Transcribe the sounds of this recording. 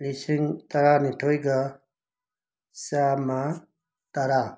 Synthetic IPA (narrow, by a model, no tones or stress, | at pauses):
lisiŋt̪ɐɾaːniʈʰoːjɡa | saːma | t̪aɾa